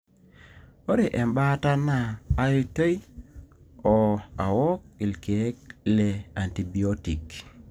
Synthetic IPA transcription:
o˦ɾe˨ʔe˨mba˦ta˦naː˨˦i˦to˦j | ɔ˨a̰˨wɔ˦k̚i˨lke˨˦k̚le˨a˨nti˨bi˨oti˨k

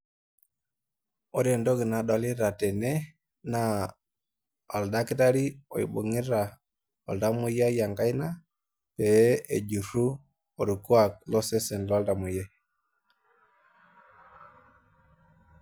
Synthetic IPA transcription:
o˦ɾe˨ndo˦ɡi˨na˨ɗa˨li˦ɾa˨tɛ˨ne˦ | na˦ | a˨lda˦ki˦ta˦ɾi˦o̰˨jḭ˨bṵ˨ŋi˦ɾa˨ | o̰˨lda˦mu˦ja˦ja˨ŋɡa˦jna˦ | pe˨˦ḛ˨d͡ʒu˨ɾu˦ | o˨ɾu˨ku˦a˨k̚lɔ˦sɛ˦sɛ˨nlɔ˦lda˨mu˨je˦

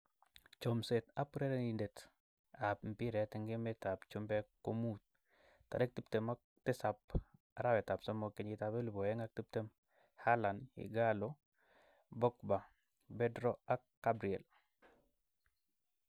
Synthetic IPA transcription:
t͡ʃo˨mse˨t̪a˦puɾe˦ɾe˦ni˨nde˨t | a˨p̚m̩pi˦ɾɛ˨tɪ˦ŋɡɪ˦mɛ˦ta˨pt͡ʃu˦mbɛ˦ko˦mut̪̚ | ta̰˨ɾe˦k̚ti˦p̚te˨ma | tɪ˦sa˨p̚ | aɾa˦wɛ˨ta˨psɔ˦mo˨ke˨ɲɡɪ˨tabe˦lu˨bo˨ɛ˦ŋa˦k̚ti˦p̚te˦m | ha˦la˨nɪ̰ɡalo | bɔ˦kba˨ | be˦dɾɔ˦a˦kːabɾi˨ɛ˨l

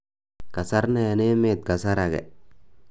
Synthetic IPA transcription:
ka˨sa˦ɾne˨ne˦me˦˨t̪̚ka˨sa˦ɾa˨ɡɛ̰˨

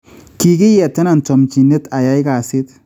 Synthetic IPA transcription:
ki˦kɪ˦jɛ˨tːɛ˦na˨ntɔ˨mt͡ʃi˨ne˦ta˨ja˦jka˨sɪ˦t

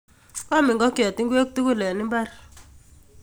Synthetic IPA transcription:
kɔ˦mɪ˨ŋɡɔ˦kjɔ˨ti˦ŋɡwe˦k̚tu˦ku˦lɛ˨ni˦mba˦r

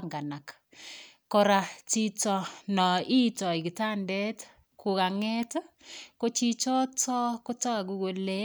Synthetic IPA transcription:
ŋɡa˨na˨k | kɔ˨ɾa˨t͡ʃi˦tɔ˨nɔ˨i˦tɔ˨i˨ki˨ta˦ndɛ˦t | kʰu˨ka˨ŋɛ˦tko˦t͡ʃi˦t͡ʃɔ˦tɔ˦ko˦ta˦˨k̬u˦ɡo˨le˦

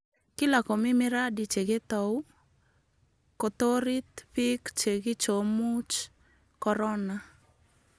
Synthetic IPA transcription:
kɪ˦la˨ko˨mɪ˦mɪ˦ɾa˦di˨t͡ʃe˨ɡe˦t̪ɔ˨w | ko˨t̪o˦ɾi˦t̪pi˦kt͡ʃe˨ɡɪ˦t͡ʃo˨mu˦t͡ʃ | kɔɾɔ˦na

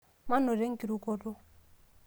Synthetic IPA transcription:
ma˦nɔ˨ɾe˦ŋ̩˦ki˨ɾu˨kɔ˦dɔ˦

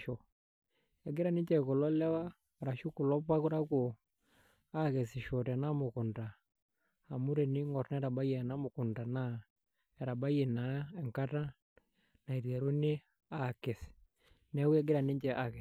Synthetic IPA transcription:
ʃɔ˨ | ɛ˨ɡi˦ɾa˦ni˦ɲd͡ʒɛ˨ku˨lɔ˦lɛ˦wa˦˨ | ɾa˨ʃu˦ku˨lɔ˦pa˦ku˦ɾa˦kɔ | a˦kɛ˨si˨ʃɔ˨tɛ˨na˦mu˨ku˨nda˨ | ha˨mu˦ɾe˨ni˦ŋɡɔ˨ɾnɛ˦ɾa˨ba˦jɛ˨na˦mu˨ku˨nda˨na˦ | ɛ˨ɾa˨ba˦je˨na˨˦ɛ˨ŋka˦ta˦ | na˨i˨ɾɛ˨ɾu˦ni˦ | a˦˨ke˨si̥˨ | nɛ˦wu˦ɛ˦ɡi˦ɾa˨ni˦ɲd͡ʒɛ˨ʔa˨kɛ˨

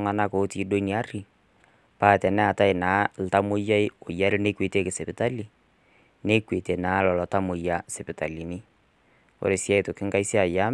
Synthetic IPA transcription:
ŋa˨na˦koː˨˦tiː˨˦do˦i˦ni˨a˦ɾi˨ | paː˦˨tɛ˨nɛ˦a˨ta˦ɪ˨na˨˦l̩˨ta˦mo˦ja˦ɪ˦o˨ja˦ɾi˦ne˦kwe˨te˦kɪ˨sɪ˨pɪ˨ta˦li˨ | ne˦kwe˨te˨naː˨˦lɔ˨lɔ˨ta˦mo˨ja˦se˨pɪ˨ta˨li˨nɪ˦ | o̰˦ɾe˨sja˦i˨to˨kɪ˦ŋka˦i˦si˦a˨ja˦

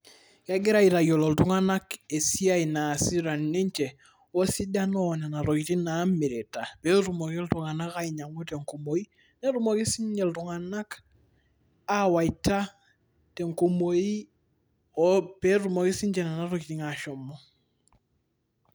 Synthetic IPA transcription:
ja˦ɡi˦ɾa˦i˨ɾa˨jo˨lo˨ltu˦ŋa˦na˦ke˨si˦a˦i˨na˨si˦ɾa˨nːe˦ɲt͡ʃe˨ | o˦si˦da˦nɔ˦˨na˨na˨ɾo˨ki˨ti˦na˦me˨ɾe˨ta˨pe˦tu˨mo˨ki˦ltuŋa˨na˦ka˦i˨ɲa˨ŋu˦te˨ŋko˨mo˨i˦ | ne˦ɾu˦mo˨ki˦si˦ɲd͡ʒɛ˨ltu˨ŋa˨na˦k | a˦wa˨ita˦ | te˨ŋko˨moi˦ | pe˦tumo˨ki˦si˦ɲt͡ʃɛ˨na˨na˨˦ɾo˨kiti˨ŋaʃɔ˨mɔ˦

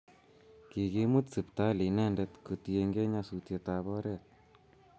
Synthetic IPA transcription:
ki˨ki˦mu˦tsɨ˨pta˦li˨nɛ˦ndɛ˧tku˨tje˧ŋɡe˦ɲa˧su˨tje˨ta˨βɔ˦ɾɛ˦˨t̚

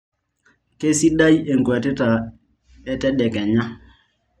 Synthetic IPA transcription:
ke˦si˦ɗa˦ji˦e˨ŋɡwɛ˨tɛ˦ta˨ | ɛ˦tɛ˦ɗɛ˨kɛ˨ɲa˦

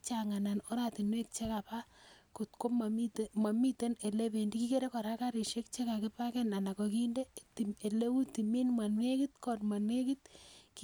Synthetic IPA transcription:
t͡ʃaŋa˨na˨no˦ɾati˨nwe˦k̚t͡ʃe˦kapa˦ko˨tko˦mma˨mi˦te˦ne˨le˦pe˨ndi˦ki˦ke˦ɾe˦ka˨ɾa˦ka˦ɾe˨ʃe˦k̚t͡ʃe˦ka˨kɪ˦pa˦kɛ˦na˨na˨kɔ˨ki˦nde˦ti˨me˨le˦wu˦ti˨me˦nmwa˨nwe˦kitkɔ˨tmwa˨nwe˦ki˦t̚k

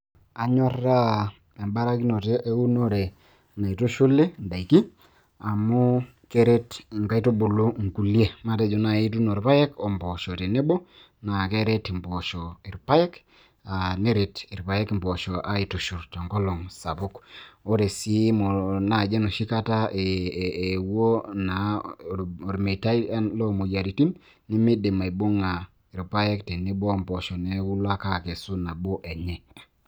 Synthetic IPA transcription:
a˨ɲɔ˦ra˦ | e˨mba˦ɾa˦ki˦no˨te˦ʔe˦u˦no˦ɾe˨ | na˨i˨to˦ʃo˦le˦nda˨i˨ki˦ | a˨mu˦ | ke˦ɾe˦tŋka˦i˦to˦bo˨lo˦ŋ˨ku˨lje˦ma˦te˦d͡ʒo˨na˨i˦t̬u˦no˨ɾpa˦je˦ko˨mbɔ˨ʃo˨te˨ne˦bo˦ | na˨ke˦ɾe˦ti˨mbɔ˨ʃɔ˨i˨ɾpa˦je˦k | a˨ne˦ɾe˨ti˨ɾpa˨je˦kmbɔ˨ʃɔ˨ʔa˦i˨tu˨ʃu˨ɾtɔ˨ŋɡɔ˦lɔ˨ŋsa˨bu˦ko˦ɾe˨si˦mo˨na˨d͡ʒe˦no˨ʃi˦ka˦ta˦e˨ | wo˦na˨ | o˨ɾi˨me˨ta˦i˦lo˦mo˨ja˨ɾi˨ti˦nː | i˦mi˦di˨ma˨i˨bu˦ŋa˨ | i˨ɾpa˦je˦kti˨ni˦bo˦mbɔ˨ʃɔ˨ne˨˦wu˦la˦ka˦˨ke˨su˦na˨bo˦ʔe˨ɲɛ˨

